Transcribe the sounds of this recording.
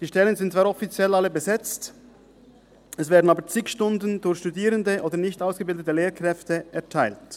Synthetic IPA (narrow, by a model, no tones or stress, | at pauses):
d̥iːʃtɛlənzɪntt͡sv̥aːɾɔfit͡sjɛlaləbəzɛt͡st | ɛsvɛːɐdn̩aːbət͡sɪkʃtʊndn̩dʊçʃtudiːʁəndəʔoːdəɐnɪçtaʊsɡ̥əbɪldətəleːkʁ̥ɛftəɛɐtʰaɪlt